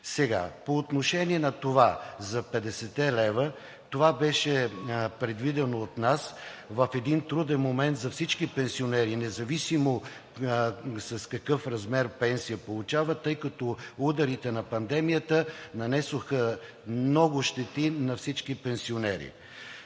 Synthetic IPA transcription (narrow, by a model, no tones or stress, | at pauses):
sɛɡa̰poːt̪noʃɛniɛnɐt̪ovazɐpɛd̪ɛsɛt̪ɛlɛvə | t̪ovabɛʃɛpɾɛd̪vid̪ɛnoːt̪nasvɐfɛd̪int̪ɾud̪ɛnmomɛnt̪zɐfsit͡ʃkipɛnsionɛɾinɛzɐvisimo | sɐskɐkɤfɾɐzmɛɾpɛnsijəpolˠut͡ʃavət̪ɤjkɐt̪ɔud̪ɐɾit̪ɛnɐpɐnd̪ɛmijət̪ənɐnɛsoxə | mnɔɡʊʃt̪ɛt̪inɐfsit͡ʃkipɛnsionɛɾḭ